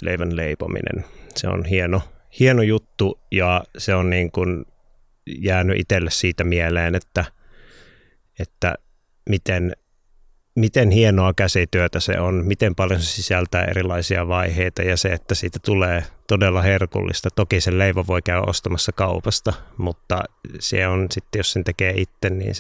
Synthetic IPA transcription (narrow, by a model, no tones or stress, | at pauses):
lḛiʋænleipo̰mḭnḛnsḛo̰nhienohienojut̪ːujɑseonniːŋkun | jæːnyʔḭt̪elːessiːt̪æmieleːnet̪ːæ | et̪ːæ̰ | mit̪en | mit̪enhienoɑkæsit̪yøt̪æsḛonmit̪empɑljosesisælt̪æːʔḛrilˑɑisiɑʋɑiheit̪ɑjɑseet̪ːæsiːt̪æt̪uleːt̪odelːɑherkṵlːḭst̪ɑt̪okiselleiʋoʋoikæyæ̰ʔo̰st̪ɑmɑsːɑkɑupɑst̪ɑmut̪ːɑ̰sḛonsit̪ːejossent̪ekeːʔit̪ːennḭːns